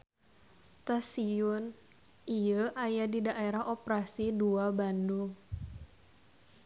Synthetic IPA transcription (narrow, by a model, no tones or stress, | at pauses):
st̪asiɔn | iəʔajadidaʔeɾaɦɔpɾasiduabanduŋ